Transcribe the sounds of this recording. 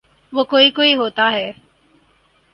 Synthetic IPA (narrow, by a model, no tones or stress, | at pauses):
ʋokoikoiɦoːt̪aːɦɛː